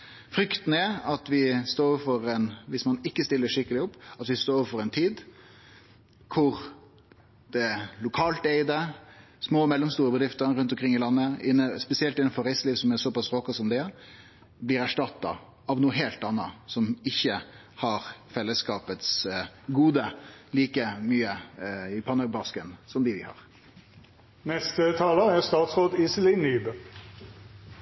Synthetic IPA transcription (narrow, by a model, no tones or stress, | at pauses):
fɾʏkt̪n̩ɛɑt̪ʋɪst̪oːɾɔʋfɔɾɛnʋɪsmɑnɪkːəst̪ɪlːəʂɪkːəlɪʊpːɑt̪ʋɪst̪oːɾɔʋfɔɾɛɪnt̪ʰiːd̪ | kʰʊɾ | d̪̥ɛlʊkʰɑːlt̪eɪd̪ə | smoːmɛlːɔmst̪uːɾəbəd̪ɾɪft̪əɾɾʉnt̪ɔmkʰɾɪŋːɪlɑnːəɪnːəspɛsɪɛlt̪ɪnːɑnfɔɾɛɪsliːʋsɔmɛsɔpɑsʁokɑsɔmd̪ɛ | blɪːɾæʂʈɑt̪ːɑ̰ | ɑʋnuːəɦeːlt̪ɑnːɑsɔmɪçːə | hɑɾfɛlːəskɑːpət̪sɡuːd̪əliːkəmyːəɪpʰɑnəɡbɑskənsɔmd̪ɪʋɪhɑ̰ːɾ | nɛst̪ət̪ʰɑːləæst̪ɑːt̪sʁoːd̪isəlɪnyːbə